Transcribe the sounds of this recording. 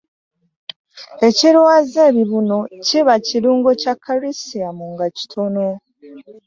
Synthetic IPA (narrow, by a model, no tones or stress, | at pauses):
e̞ciɾwaːzeβiβuno̞ciβaciɾuːŋɡocakʰːaɾisiamuŋɡaci̥tʰo̞no̞